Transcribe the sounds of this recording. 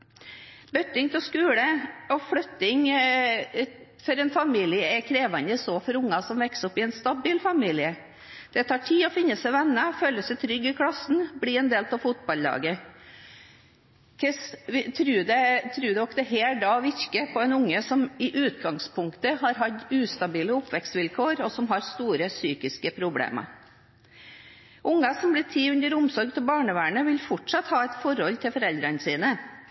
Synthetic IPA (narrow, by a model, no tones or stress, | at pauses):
bœt̪ːɪŋt̪ʰɛlskʉːləɔfɽœt̪ːɪŋ | fɔɾɛnfɑmiːlɪəɛkʰɾeːʋɑnd̪əsɔfɔɾʊŋːɑsɔmʋɛksɔpːɪɛnst̪ɑbiːlfɑmiːlɪə | d̪̥ɛt̪ʰɑːʈʰiːɔfɪnːəsɛɪʋɛnːəføːləsɛt̪ʰɾʏɡːɪkʰɽɑsːn̩blɪɛnd̪eːlpʰɑfʊt̪̚bɑlːɑ̰ːɡə | kʰɛsʋɪt̪ʰɾʉːd̪ɛt̪ʰɾʉːd̪ɛɔkd̪ɛɦeːldɖɑːʋɪɾkəpʰɔɛnʊŋːəsɔmɪʔʉːt̪ɡɑŋspʰʊŋkt̪əɦɑɾɦɑt̪ːʉːst̪ɑbiːləʊpʋɛkst̪ʋɪlkʰoːɾɔsɔmɦɑɾst̪uːɾəsyːkɪskəpʰɾʊblḛːmɑ̰ | ʔʊŋːɑsɔmblɪːt̪ʰiːʉnd̪əɾʊmsɔɾɡt̪ʰɪlbɑːɳəʋæːɳəʋɪlfɔʈʂɑt̪hɑːɛt̪fɔɾhɔlt̪ʰɪlfɔɾɛld̪ɾənəsiːnə